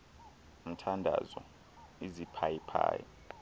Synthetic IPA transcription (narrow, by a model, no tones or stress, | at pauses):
m̩tʰandʱa̰zɔ | izipʰajipʰa̰ːjɔ̰